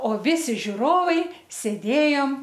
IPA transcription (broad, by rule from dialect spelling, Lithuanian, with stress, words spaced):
oː ˈʋʲɪsʲɪ ʒʲʊˈroːʋɐɪ sʲeːˈdʲeːjoːm